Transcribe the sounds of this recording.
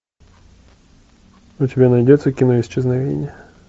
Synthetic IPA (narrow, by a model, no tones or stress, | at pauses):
utʲɪbʲɛnɐjdʲɛt͡sʲːɐkʲinɔist͡ʃɛznɐʋʲḭjnʲːɐ